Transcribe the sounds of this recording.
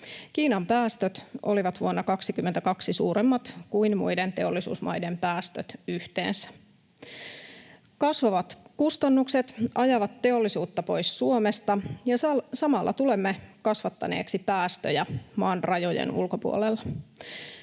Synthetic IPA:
kiːnɑmpæːst̪øt̪ʔoliʋɑt̪ʋuonːɑkɑksikymːent̪ækɑksisuːɾemːɑt̪kuinmṵjdent̪e̞o̞lːisṵːsmɑ̰jdempæːst̪øt̪yht̪e̞̰ːnsæ̥ | kɑsʋɑʋɑt̪kust̪ɑnːukset̪ɑjɑʋɑt̪ːe̞o̞lːisuːt̪ːɑpo̞jsːuomest̪ɑjɑsɑsɑmɑlːɑ̰t̪ule̞mːekɑsʋɑt̪ːɑ̰nḛːksipæːst̪øjæmɑːnrɑjo̞jḛnṵlko̞pṵolelːɑ

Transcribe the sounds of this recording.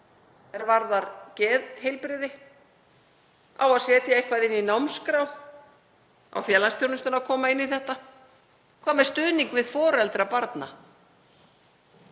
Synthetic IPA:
ɛɾvaɾðaɾcɛːðhejlpɾɪðɪ | awaðsjɛːt̪jaejhkvaðɪnːinawmskɾaw | a̰wfjɛːlanst̪fjownʏst̪ʏnakʰɔːmaɪnːiθɛht̪a | kʰvaːmɛ̥st̪ʏðniŋkvɪðfɔːɾɛlt̪ɾapaɾt̪na̰

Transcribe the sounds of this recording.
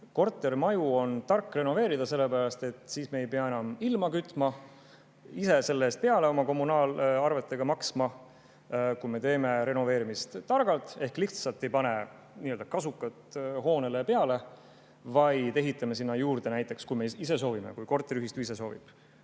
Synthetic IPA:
ko̞rt̪ːˑe̞rmɑjuo̞nt̪ɑrkːre̞no̞ve̞ːɾid̪̥ɑse̞lːepæɾɑst̪e̞t̪ːˑsiːsme̞ːjpe̞ɑe̞nɑmilmɑkyt̪ːˑmɑ | ise̞se̞lːeːst̪̚pe̞ɑle̞o̞mɑko̞mːunɑːlɑrve̞t̪ːˑe̞ɡ̥ɑmɑksmɑ | kujme̞t̪e̞ːme̞ɾe̞no̞ve̞ːɾimist̪ːɑrɡ̥ɑlt̪ˑe̞hkliht̪sɑlt̪ːˑe̞jpɑne̞ | niːøld̪ɑkɑsukːˑɑt̪ho̞ːne̞lepe̞ɑle̞ | vɑjt̪e̞ɦit̪ˑːɑme̞sinːɑjuːrd̪̥e̞næjt̪ːˑe̞kskujme̞ise̞s̬o̞ːvimḛkujko̞rt̪ːeɾyɦist̪yis̬e̞so̞ːvḭb̥

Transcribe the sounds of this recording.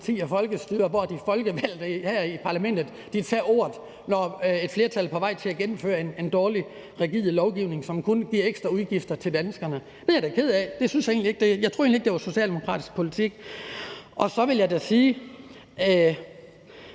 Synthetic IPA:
t͡sʰḭːɒfɒ̽lɡ̥əsd̥yːɐʋɒd̥ifɒ̽lɡ̥əʋæl̰d̥hæɐ̰ipʰɑ̈læmen̰d̥ð̩ˠ | d̥it͡sʰɛ̰ːo̝ːɐð̩ˠ | nɒe̝d̥fle̝ɐt͡sʰælpʰɒ̽ʋɑ̈ɪ̰t͡sʰe̝æɡ̥enm̩fø̰ːɐene̝nd̥ɒːli | ʁɛɡḭːð̩ˠlɒʊɡ̥iʊne̝ŋsɒ̽mkʰunɡ̥iɐeɡ̥sd̥ʁɐuðˠɡ̥ifd̥ɐt͡sʰe̝ld̥ænəsɡ̥ɐnə̥ | ejæɐdeæɐkʰe̝ð̞̰ˠæd̥e̝synsjɑ̈e̝̰nlie̝ɡ̥̚d̥e̝jɑ̈ɪo̝ɐe̝nlieɡ̥de̝ʋɑ̈so̝ɕiɛ̰ːld̥e̝mo̝kʰʁɑ̰̈ːd̥isɡ̥̚pʰo̝lit͡sʰiɡ̥ | ʔɒ̽sɒ̽ʋe̝ljɑ̈ɪdæsiː

